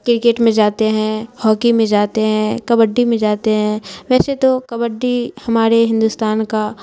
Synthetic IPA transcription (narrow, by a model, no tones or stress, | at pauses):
kɾɪkeːʈmẽd͡ʒaːt̪eɦɛ̃hɔːkimẽd͡ʒaːt̪eɦɛ̃kɐbəɖːimẽd͡ʒaːt̪eɦɛ̃ːʋɛːset̪okɐbəɖːihɐmaːɾeɦɪ̃nd̪uːst̪aːnka